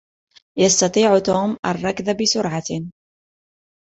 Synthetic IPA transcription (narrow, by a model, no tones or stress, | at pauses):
jɑst̪ɑt̪ˤiːʕt̪oːmʔa̰rˤːɑkðabɪsʊɾʕa